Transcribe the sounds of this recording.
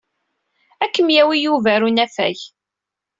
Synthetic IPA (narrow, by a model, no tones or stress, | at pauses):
ækːəmjæwijuvæɾunæfæ̰ç